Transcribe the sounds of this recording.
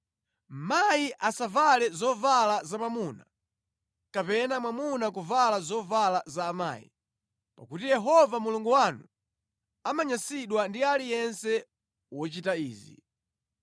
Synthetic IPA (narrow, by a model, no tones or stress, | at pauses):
m̩majiʔasavalɛzɔvalazamamuna | kapɛnamwamunak̬uvalazɔvalazaːma̰ːjḭ | pakutijɛɦɔvamuluŋɡuwanu | amaɲasiɗwandialijɛnsɛ | wɔt͡ʃitaiːzḭ